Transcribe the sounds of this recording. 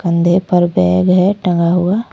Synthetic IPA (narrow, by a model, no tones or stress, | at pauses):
kə̃nd̪ʱepəɾbɛːɡɦɛʈə̃ŋɡaɦʊaː